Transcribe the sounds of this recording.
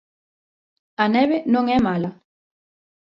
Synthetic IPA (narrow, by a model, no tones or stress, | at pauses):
ɐnɛβenõŋɛmalɐ